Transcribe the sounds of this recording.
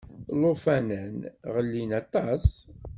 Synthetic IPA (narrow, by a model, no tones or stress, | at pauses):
lofænənʁəlːinɑt̪ˤɑs